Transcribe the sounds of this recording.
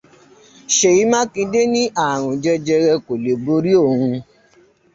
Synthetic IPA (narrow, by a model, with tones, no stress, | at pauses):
ʃe˨i˨˦mã˦kĩ˧de˦nĩ˦ʔa˦˨ɾ̃ɔ̃˨d͡ʒɛ˧d͡ʒɛ˧ɾɛ˧ko˨le˨bo˧˦ɾi˦o˦˨ũ˧